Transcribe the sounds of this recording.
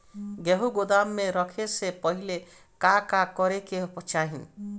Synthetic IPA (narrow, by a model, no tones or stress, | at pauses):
ɡeɦuɡod̪amːeɾɔkʰesepɔɦile | kakakɔɾekeɦpɔt͡ʃaɦḭ̃